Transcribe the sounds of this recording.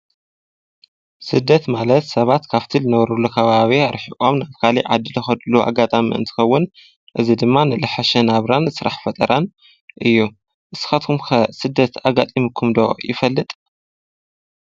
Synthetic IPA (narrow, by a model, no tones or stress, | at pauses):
sɨd̪ːɐt̪malɐt̪sɐβat̪kʰaβt̪ʰizɨnɐβɾulːukʰɐβaβiaɾħikʼomnaβkʰaliʕa̰d̪ːɨlɨxɐd̪luʔa̰ɡat̪ʼamḭɨ̰nt̪ʰɨ̥xɐwːʊn | ʔɨzid̪ɨmːanɨlɨħaʃɐnaβɾanzɨsɨɾaħfɐt̪ʼɐɾan | ʔɨjːu | ʔɨsɨ̥xat̪kʰumxʰɐsɨd̪ːɐt̪ʰaɡat̪ʼimikʰumd̪ojɪ̰fɐlːɨt̪ʼ